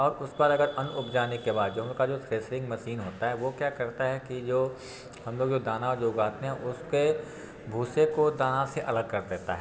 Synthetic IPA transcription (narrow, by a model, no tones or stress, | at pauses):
ɔːɾʊsbaɾɐɡəɾɐnʊpd͡ʒaːnekebaːd̪̚d͡ʒoːɦkad͡ʒoːsɾeːsɾɪ̃ŋɡmɐʃiːnɦoːt̪aɦɛʋokjaːkɐɾt̪aɦɛkid͡ʒoː | hɐmloːɡd͡ʒoːd̪aːnaɔːɾd͡ʒoːʊɡaːt̪eɦɛ̃ʔʊske | bʱuːsekod̪aːnaseʔɐləɡ̚kɐɾd̪eːt̪a̰ɦɛ